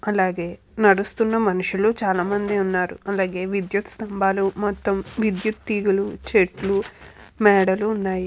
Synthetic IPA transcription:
ɐlaːɡe̞ː | nɐɽust̪unːɐmɐnuʂuloːt͡ʃaːlaːmɐnd̪iunːaːɾuɐlaːɡe̞ːʋid̪jut̪st̪ɐmbʱaːlumɔt̪ːɐmʋid̪jut̪ːiːɡulut͡ʃeʈlu | mɛːɽɐluːnːaːji

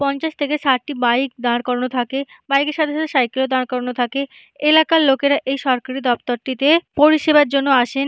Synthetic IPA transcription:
pɔnt͡ɕaʃt̪ʰekesaɾʈibajk̚d̪aɾkɔɾonot̪ʰake | bajkeʃad̪ʱaʃot̪aʃajkelod̪ankɔɾonot̪ʰake | elakalokeɾaʔejʃɔɾkaɾid̪ɔpt̪oɾʈit̪epoɾiʃebaɾd͡ʑonːoaʃen

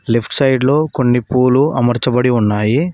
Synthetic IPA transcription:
lipʰʈsɐjɖlo̞ːko̞nːipuːluɐmɐɾt͡ʃɐbɐɽiunːaːji

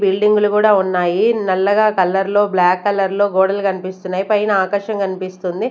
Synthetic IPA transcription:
bilɖiŋɡulukuːɽaːunːaːjinɛlːɐɡaːkɐlːɐɾlo̞ːblaːkːɐlːɐɾlo̞ːɡoːɽɐlkɐnipist̪unːaːjipɐjnɐaːkɐʂɐŋkɐnipist̪und̪i

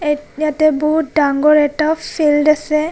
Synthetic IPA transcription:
jatɛbɔɦut̚daŋɡɔɹɛtafʰildasɛ

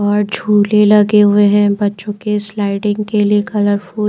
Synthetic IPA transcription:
ɔːɾd͡ʒʱuːlelɐɡeɦʊeɦɛ̃bɐtːʃõkeslaːɪʈɪ̃ŋɡkeliekɐləɾfuː

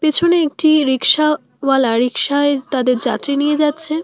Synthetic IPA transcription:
pet͡ɕʰoneek̚ʈiɾikʃa | walaɾikʃaet̪ad̪eɾd͡ʑa̰t̪ɾinijed͡ʑatːɕʰe

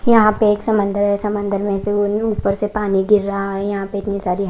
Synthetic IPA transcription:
jɐɦãpeːksɐmə̃nd̪əɾɦɛsɐmə̃nd̪əɾmɛ̃ːseouːpəɾsepaːniɡʱɪɾːɐɦaɦɛjɐɦãpeɪt̪nisaːɾiɦ

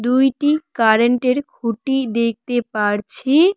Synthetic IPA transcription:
d̪ujʈikaɾeɳʈeɾkʰuʈid̪ek̚t̪epaɾt͡ɕʰi

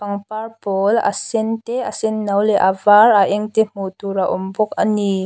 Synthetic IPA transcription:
pɐŋparpoːlʔa̰sɪnt̪ɛʔasɪnːɐwlɛʔavarʔaʔɛŋt̪em̥ut̪uraʔʊmbʊk̚ani

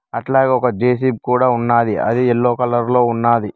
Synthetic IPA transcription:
ɐʈlaːɡɔkɐd͡ʒeːs̬ib̚kuːɽaːunːaːd̪iɐ̰d̪iɛlːoːkɐlɐɾlo̞ːunːaːd̪i

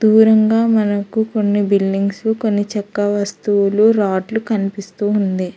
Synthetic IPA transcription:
d̪uːɾɐŋɡaːmɐnɐkuko̞nːibilɖiŋɡsuko̞nːit͡ʃɐkːɐʋɐst̪uwuluɾaːʈlukɐnipist̪uːund̪i

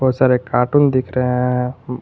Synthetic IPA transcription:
ɔsaɾekaʈund̪ikʰɾɛ̃

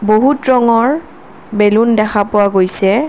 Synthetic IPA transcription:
boɦutɹɔŋɔɹ | belundɛxʰapʊwaɡojsɛ

